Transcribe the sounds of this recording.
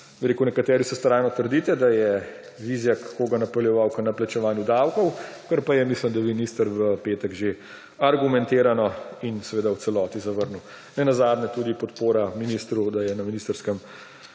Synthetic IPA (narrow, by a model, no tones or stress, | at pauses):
biɾeːkunɛkat̪ɛːɾisɛst̪ɾajnɔt̪əɾd̪iːt̪ɛd̪ajɛ | ʋiːzjakkːoːɡanɐpɔljɛʋawkənaplat͡ʃɛʋaːnjud̪awkɔwkəɾpajɛmisləmd̪aʋinist̪əɾʋəpeːt̪ɛɡʒe | aɾɡumɛnt̪eːɾanɔinsɛʋeːd̪awt͡s̪sɛlɔːt̪izɐʋəɾnuw | nɛnazaːd̪nɛt̪uːd̪ipɔt̪poːɾaminiːst̪ɾud̪ajɛnɐminist̪əɾskəm